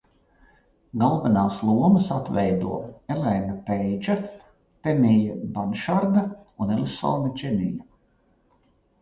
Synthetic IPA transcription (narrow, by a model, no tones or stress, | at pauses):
ɡalˠvɛnaːslˠuɔmɐsat̪vɛjd̪ṵɔɛlɛnapɛjd͡ʒa | t̪ɛmijabanʃaɾd̪aunɛlʲisɔ̰ːnat͡ʃɛmija